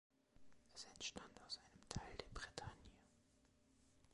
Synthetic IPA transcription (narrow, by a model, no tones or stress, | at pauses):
ʔɛsɛntʃtʰantaʊsʔaɪnəmtʰaɪldeːɐbʁitʰanjə